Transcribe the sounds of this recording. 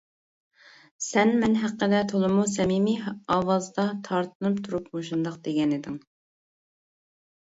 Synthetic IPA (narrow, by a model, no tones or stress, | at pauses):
sɛnmɛnɦæqːəd̪ɛt̪ʰolˠɨmusɛmimiɑwɑzd̪ɑt̪ʰɑɾt̪ʰɨnɨpt̪ʰuɾupmoʃund̪ɑq̚d̪̥eɡʲɛnɪd̪ɪŋ